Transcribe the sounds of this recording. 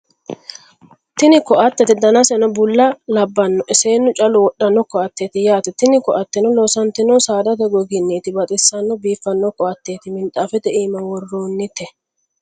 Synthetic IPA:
t̪ɪnɪkɔʔɐt̪ːɛt̪ɪd̪ɐnɐsɛnɔbʊlːɐlɐbːɐnːɔʔɪse̞ːnːʊt͡ʃʼɐlʊwɔɗːɐnːɔkːɔɐt̪ːeːt̪ɪjaːt̪ɛt̪ɪnɪkɔʔɐt̪ːɪnɔloːsɐnt̪ɪnɔsaːd̪ɐt̪ɛɡɔɡɪnːiːt̪ɪbɐt̪ʼɪsːɐnːɔbiːfːɐnːɔkːɔɐt̪ːe̞ːt̪ɪmɪnt̪ʼːaːfɛt̪ɛiːmɐwɔrːoːnːɪt̪ɛ

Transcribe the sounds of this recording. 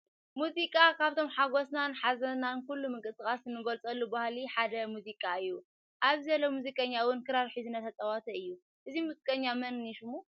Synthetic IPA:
muzikʼakʰaβt̪ʰo̞mħaɡo̞snanħazɐnankulːumɨŋkʼɨt̪ʼɨkʼasɨnːɨɡolt͡sʼɐlːubahliħad̪ɐmuzikʼaɨjːu | ʔaβzɐlːomuzikʼɐɲːawʊnkʰɨɾaɾħizɨnɐt̪ʰɐt̪ʼɐwat̪ʰɐɨjːu | ʔɨzimuzikʼɐɲːamɐnniʃumu

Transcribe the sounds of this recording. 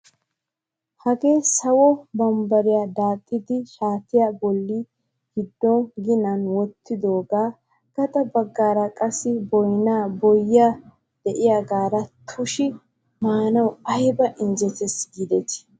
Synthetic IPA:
hɐɡe̞ːsɐwɔbɐmbɐɾɪjad̪aːkʼːɪd̪ɪʃaːt̪ɪjaːbɔlːi | ɡ̥ɪd̪ːɔnɡɪnɐnwɔt̪ʰːɪd̪oːɡaː | ɡ̥ɐt̪ʼɐbɐɡːaːɾɐkʼɐsːɪbɔjnaːbɔjːaː | d̪̥ɛʔɪjaɡaːɾɐt̪ʰʊʃɪ | maːnɐwɐjbɐʔɪnd͡ʒɛt̪ɛsɡɪd̪ɛt̪ɪ̥

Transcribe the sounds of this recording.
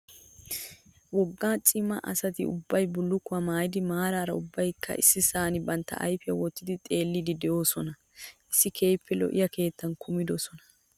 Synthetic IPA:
wɔɡːaːt͡sʼɪmɐʔɐ̰sɐt̪ɪ̰ʊ̰bːɐjbʊlːʊkːʊwɐmaːjɪd̪ɪmaːɾaːɾɐʊbːɐjkːɐ̰ʔɪsːɪsaːnɪbɐnt̪ːɐ̰ʔɐ̰jfɪjɐwɔt̪ːɪd̪ɪt̪ʼe̞ːlːɪd̪ɪd̪ɛjo̞ːsɔnɐ | ʔɪsːɪkʰejpːɛlɔ̰ʔɪ̰jɐke̞ːt̪ːɐnkʰʊmɪd̪ɔsɔnɐ̥

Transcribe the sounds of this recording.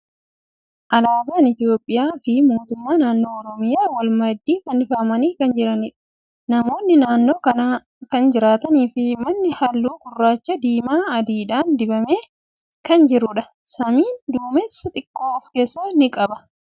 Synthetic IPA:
ʔɐlaːb̪aːnɪt̪jo̞ːpʼːɪjaːfɪmoːt̪ʊmːaːnaːnːo̞ːɔɾɔmɪjaːwɐlmɐd̪ːiːfɐnɪfɐmɐniːkɐnd͡ʒɪɾɐnɪᶑɐ̥ | nɐmo̞ːnːɪnaːnːo̞ːkɐnaː | kɐnd͡ʒɪɾaːt̪ɐniːfɪmɐnːɪhɐlːuːkʊrːaːt͡ʃːɐd̪iːmaːɐd̪iːᶑaːnd̪ɪbɐme̞ː | kɐnd͡ʒɪɾʊᶑɐ | sɐmiːnd̪uːmesːɐt̪ʼɪkʼːoːɔfke̞ːsːɐnɪkʼɐbɐ

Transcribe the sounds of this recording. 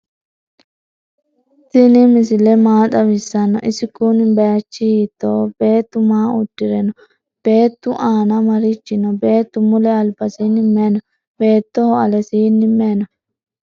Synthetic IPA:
t̪ɪnɪmɪsɪlɛmaːt̪ʼɐwɪsːɐnːɔ̰ʔɪsɪkːunɪbɐjɐt͡ʃːɪhiːt̪ːoːbe̞ːt̪ːʊmaːʊdːɪɾɛnɔ | b̥e̞ːt̪ːʊʔaːnɐmɐɾɪt͡ʃːɪnɔbe̞ːt̪ːʊmʊlɛɐlbɐsinɪmːeːnɔ | be̞ːt̪ːɔhɔɐlɛsinːɪmːeːnɔ

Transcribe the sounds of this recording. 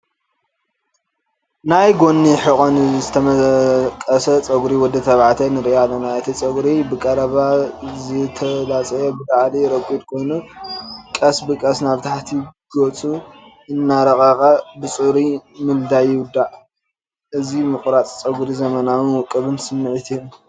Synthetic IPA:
najɡo̞nːiħɨkʼonzɨt̪ʰɐmɐkʼɐsɐt͡sʼɐɡuɾiwɔd̪ːɐt̪ʰɐβʕat̪ʰɐnɨɾʔalːɐnaʔɨt̪ʰit͡sʼɐɡɾibɨkʼɐɾɐβazɨt̪ʰɐlat͡sʼɐjɛbɨd̪aʕliɾɐkʼːud̪kʰo̞jnu | kʼɐsbɨkʼɐsnaβt̪ʰaħt̪ʰiɡ̥ot͡sʼu | ɨnːaɾɐkʼɐqʼɐbɨt͡sʼuɾimɨld̪ajɪwʊd̪ːaʕ | ʔɨzimɨχʼɾat͡sʼt͡sʼɐɡuɾizɐmɐnawɨnwɔkʼːɨβɨnsɨmːɨʕɨt̪ʰijom

